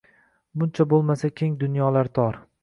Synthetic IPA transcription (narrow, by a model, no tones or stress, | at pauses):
bʊnt͡ʃʰabolˠmasakʲʰe̞ŋd̪ʊnjɒlaɾt̪ʰɒɾ